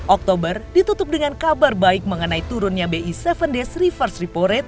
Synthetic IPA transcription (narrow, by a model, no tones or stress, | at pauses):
ʔɔk̚t̪obərdit̪ut̪ʊp̚dəŋankabarbaɪk̚məŋənait̪uɾʊnɲabeʔisɛfəndɛsrifərsripoɾɛt̪̚